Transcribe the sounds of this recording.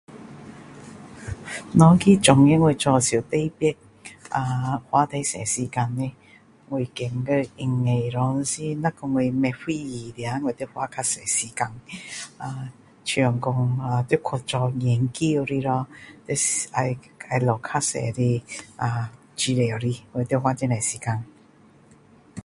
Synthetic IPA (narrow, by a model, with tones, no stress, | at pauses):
nɔ˧˦ki˦˩t͡ʃʊ˨˩ŋi˧˥˦ŋwe˧˨t͡sɔ˧si˨˩t̪e˧jpi˥t̚ | a˧˩hwa˧˦t̪e˧˦jsɛ̰˨˩si˨˩ka˧nːi˧ | ŋwe˨˩ke˨˩ŋkə˧i˧ŋe˧˩jɾɔ˧˦n˧si˧na˦˥kʊ˧ŋwe˧mɛ˧fi˧ji˨˩lja˨˧˦ŋwt̪i˥hwa˧˦kʰa˥sɛ˨˩siː˨˩ka˧na˧ | t͡ɕʰɔ˨˩ŋkɔ˧ŋa˨˧t̪i˥˧˦kʰɔ˧˩t͡ʃɔ˧lɛ˨˩ŋki˧˦˨ɾi˧ɾɔ˧t̪e˧sa˧j | a˧˩lɔ˨˩kʰa˦˥sɛ̰˨ɾi˧a˨˧˩ | t͡ɕi˧le˨ɾi˧ŋwe˧˨˩t̪i˥˧hwa˦˥t͡ɕɛ˧na˨˩si˨ka˧n